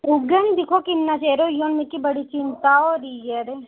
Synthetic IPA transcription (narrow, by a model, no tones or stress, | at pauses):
ʊɡanĩd̪ɪkʰokɪnːat͡ʃeːɾeojõnmekːibɐɽit͡ʃɪnt̪aoɾijeɾe